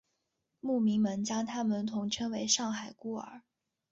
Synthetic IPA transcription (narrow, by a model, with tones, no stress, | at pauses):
mu˥˩mi˧˥ŋmə˧˥nt͡ɕjɑ˥ŋt̪ʰa˥mə˨˩nt̪ʰʊ˧˥ŋʈ͡ʂʰɤ˥ŋwe˧˥ɪʂɑ˥˩ŋxa˨˩ɪku˥ə̰˞˨˩˦